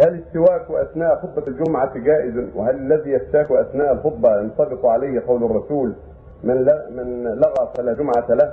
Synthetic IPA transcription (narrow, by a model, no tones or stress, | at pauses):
hælɪsːɪwaːkwʔaθnaːʔxʊt̪ˤːɑld͡ʒʊmʕaɡaːʔɪzwɪ̰halɪlːæðiːjaft̪aːkuʔaθnaːʔalxod̪ˤːɑjɑnsˤɑd̪ɪquʕalajhqɑwlɑrˤːɑsuːl | mɪnlmɪnlɑɣɑfalaːd͡ʒʊmʕatlah